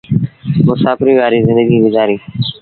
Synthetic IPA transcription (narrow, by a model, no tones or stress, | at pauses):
mʊsaːfɪɾiːʋaːɾiːzɪ̃nd̪əɡiːʋɪd͡ʒaːɾiː